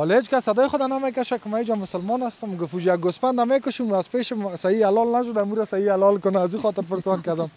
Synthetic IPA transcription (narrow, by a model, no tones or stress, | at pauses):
ɔlet͡ʃkasːad̪ɔjxʊd̪anamek̬aʃakɪmaid͡ʒamʊsəlmɔnast̪ʊmɡʊfud͡ʒjak̚ɡʊspand̪amekʊʃumazpeʃɪsaialɔlnaʃ̬ʊd̪amuɾasaialɔlkʊnaːzuxɔt̪ɪɾpɪɾsɔnkad̪am